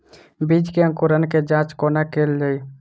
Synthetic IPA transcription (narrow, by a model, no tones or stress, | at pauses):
bid͡ʒkeə̃ŋkuɾənked͡ʒãt͡ʃkonakelːej